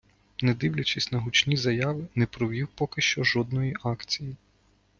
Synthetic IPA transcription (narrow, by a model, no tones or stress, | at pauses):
nɛd̪ɪwlʲɐt͡ʃisʲnɐɦʊt͡ʃnʲizɐjɑʋɪnɛpɾɔʋʲiwpɔkɪʃt͡ʃɔʒɔd̪nɔjiʔɑkt͡sʲiji